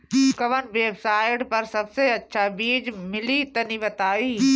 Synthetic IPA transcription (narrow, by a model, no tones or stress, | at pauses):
kɐʋənʋeːbsaːɪʈpɐɾsɐbseɐtːʃʰabiːd͡ʒmɪlit̪ɐniʋɐt̪aːiː